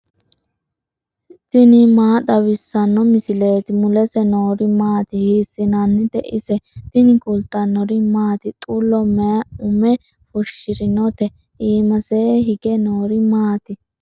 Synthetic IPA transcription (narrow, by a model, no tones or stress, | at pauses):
t̪ɪnɪmaːd̪ɐwɪsːɐnːɔmɪsɪle̞ːt̪ɪmʊlɛsɛnoːɾɪmaːt̪ɪhiːsːɪnɐnːɪd̪ɛʔɪsɛt̪ɪnɪkʊlt̪ːɐnːɔɾɪmaːt̪ɪt̪ʼʊlːɔmɛɐʊmɛ | fɔʃːɪɾɪnɔt̪ɛ | ʔiːmɐseɦɪɡɛnoːɾɪmaːt̪ɪ